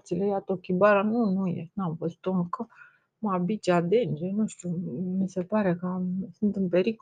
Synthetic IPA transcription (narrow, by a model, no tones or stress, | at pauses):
t̪silejat̪okʲibaɾanunujḛnamvəzu̥t̪oɨŋkə | mabit͡ʃad̪end͡ʒenuʃt̪ʲumise̞paɾe̞kəsɨnt̪ɨmpe̞ɾik